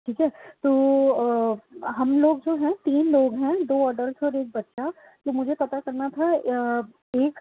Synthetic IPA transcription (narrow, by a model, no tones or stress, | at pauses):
ʈʰiːkɛt̪oː | ɦɐmloːɡ̚d͡ʒoːɦɛ̃t̪iːnloːɡɦɛ̃d̪oːɔːɖəlsɔːɾeːk̚bɐt̪ːʃa | t̪oːmʊd͡ʒʱepɐt̪akɐɾnat̪ʰa | eːk